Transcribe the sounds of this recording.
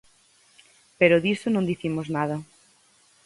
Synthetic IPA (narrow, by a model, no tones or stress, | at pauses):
peɾoðisonõnd̪iθimoznað̞ɐ